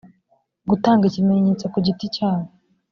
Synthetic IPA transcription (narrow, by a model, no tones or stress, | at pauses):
ɡutaːŋɡicime̞ɲet͡sokuɟiticaːwo